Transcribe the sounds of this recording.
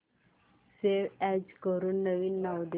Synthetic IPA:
seʋɛd͡ʑkəɾuːnːəʋinːawd̪e

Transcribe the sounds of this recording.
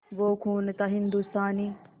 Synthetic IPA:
ʋoːkʰuːnt̪ɐɦɪnd̪ust̪aːni

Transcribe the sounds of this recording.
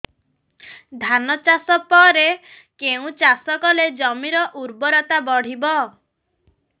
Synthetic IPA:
d̪ʱanɔt͡ʃasɔpɔɾe | keũt͡ʃasɔkɔled͡ʒɔmiɾɔʔuɾbɔɾɔt̪abɔɽ̤ibɔ

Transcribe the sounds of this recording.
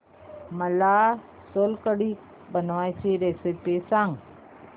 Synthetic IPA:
məlaː | solkəɽi | bənʋaːjsiɾesepesãŋɡ

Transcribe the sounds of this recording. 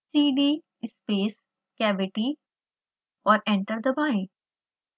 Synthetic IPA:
siːɖiː | ɪspeːs | kɛːʋɪʈi | ɔːɾɛ̃ɳʈəɾd̪əbaːɪ̃

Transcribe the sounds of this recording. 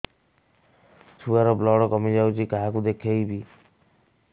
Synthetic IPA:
sʰuaɾɔblɔɽɔkɔmid͡ʒawt͡ʃʰikaɦakud̪ekʰejbi

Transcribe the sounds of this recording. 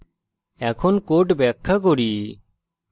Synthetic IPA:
ɛːkʰoːnkoːʈbɛːkʰːak̬oːɽiː

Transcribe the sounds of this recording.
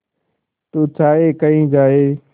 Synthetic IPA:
t̪uːt͡ʃʰaːeːkəĩːd͡ʒaːɦeː

